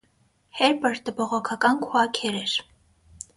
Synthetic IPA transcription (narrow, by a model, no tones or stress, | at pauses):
hɛɾpəɾt̪əbɔʁɔkʰɑkɑnkʰwɑkʰɛɾɛɾ